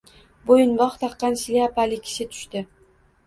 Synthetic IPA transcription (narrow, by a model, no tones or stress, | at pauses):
bojʊnbɒχt̪ʰɑqːɑnʃlɪapalɪkʲʰɪ̥ʃɪt̪ʰʊ̥ʃt̪ɪ